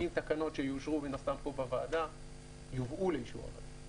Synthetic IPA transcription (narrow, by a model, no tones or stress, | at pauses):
imt̪akano̞tʃe̞juʃʁubinast̪ampo̞bavaːd̪a | juvʔulejiʃua̰va̰d